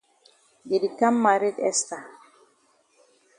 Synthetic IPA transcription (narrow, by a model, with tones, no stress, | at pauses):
ɡi˨di˨ka˦mːa˨ɾi˦dɛ̰˦st̪a˨